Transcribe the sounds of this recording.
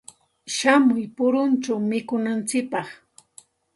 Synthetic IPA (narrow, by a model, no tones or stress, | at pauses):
ʃamʊjpʊɾʊnt͡ʃawmɪkʊnant͡sɪk̚pɑχ